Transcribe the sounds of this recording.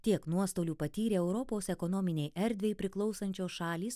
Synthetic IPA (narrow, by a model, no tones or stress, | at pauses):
t̪ʲiɛknuɔst̪oːlʲuːpɐt̪ʲiːɾʲeːɛʊɾɔpoːsɛkɔnoːmʲɪnʲɛɪjʔɛɾʲd̪ʲʋʲeɪpʲɾʲɪklˠɒʊsɐnʲt͡ʃʲoːsʃɑːlʲiːs